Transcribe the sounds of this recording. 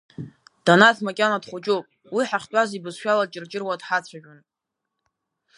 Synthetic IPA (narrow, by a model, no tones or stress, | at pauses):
d̥anatʰmakʲʼanadχʷut͡ʃʼupʼ | wiħaχʲtʷʼazibɨzʃʷᶣalat͡ʃʼɪrt͡ʃʼɪrwadħat͡sʷʰaʒᶣʊn